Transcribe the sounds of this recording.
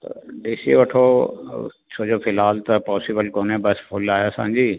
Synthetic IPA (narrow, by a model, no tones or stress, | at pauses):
t̪ɐ̰ɖisiʋɐʈʰo | t͡ɕʰoːd͡ʑoːfɪlɦaːlt̪ɐpɔːsɪbəlkoːnẽbɐspʰʊlaːjosã̰ːɲd͡ʑiː